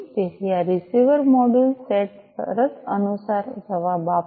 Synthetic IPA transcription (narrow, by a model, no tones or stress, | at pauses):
t̪eɦiaɾisiʋəɾmɔɖəlseʈsə̰ɾət̪ənusaɾd͡ʒəʋaba